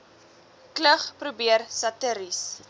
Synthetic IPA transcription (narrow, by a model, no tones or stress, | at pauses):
kləχprubiərsɐtəɾis